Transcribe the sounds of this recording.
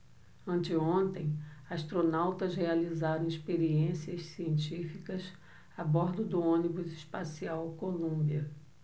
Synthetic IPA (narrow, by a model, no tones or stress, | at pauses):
ɐ̃nt͡ʃɪõnt̪ẽj̃aʃt̪ɾonawt̪ɐzhealizaɾɐ̃w̃iʃpeɾiẽsiɐssiẽnt͡ʃifikɐs | abɔɾd̪ʊd̪ʊõnibʊziʃpasiawkolũbiɐ